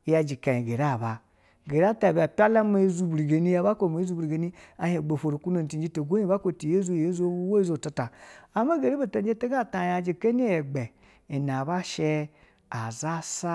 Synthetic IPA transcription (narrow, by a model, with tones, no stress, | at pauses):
ja˧d͡ʒi˨ka˨ji˨ɡe˨ɾa˦˨ba˨ | ɡe˨ɾa˦ta˨bʲi˨a˨pʲa˦la˦me˦zu˦bɾi˨ɡe˨ni˦ja˦ba˦ko˦˨me˨˦zu˦bɾi˨ɡe˨ni˦a˨he˨ɡ͡bo˨fo˨ɾo˨ku˦no˨n˨ti˨n˦d͡ʒi˦to˨ɡʷo˦i˦ba˦ko˦˨ti˨je˦zu˦˨je˦zu˦o˦u˦wo˦i˦zo˨ta˧ta˨a˨˦ma˦ɡe˨ɾi˦be˨te˦d͡ʒe˦te˦ɡa˦˨ta˨ja˨d͡ʒi˨ke˦n˦e˦e˨ɡ͡be˨ | i˨na˨ba˦ʃe˦ | a˨za˦sa˦